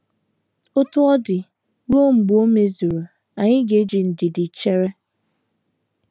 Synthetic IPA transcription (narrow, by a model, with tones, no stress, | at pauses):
o˦tʊ˦ɔ˦dɪ˨ | ɾo˦ŋ͡m̩˨ɡ͡bʊ˨˦o˦me˦zu˨ɾo˨ | a˨ɲɪ˦ɡe˨˦d͡ʒi˨n̩˨dɪ˨dɪ˨t͡ʃe˦ɾe˦